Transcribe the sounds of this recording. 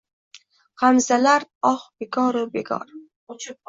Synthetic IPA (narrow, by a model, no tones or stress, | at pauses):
qamzalaɾɒχb̥eɡɒɾubeɡɒ̰ɾ